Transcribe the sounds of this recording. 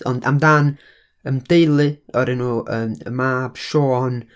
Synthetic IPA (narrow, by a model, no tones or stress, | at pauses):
ɔnda̰mdan | əmd̥ejlˠɨɔɾɪnuːʔəːmə̰maːb̥ʃoːn